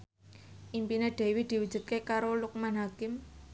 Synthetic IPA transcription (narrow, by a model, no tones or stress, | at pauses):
ʔimpineɖ̪̥e̤wid̪̥iwu̥d͡ʒ̥ṳt̪̚kekaɾoluk̚manɦakɪm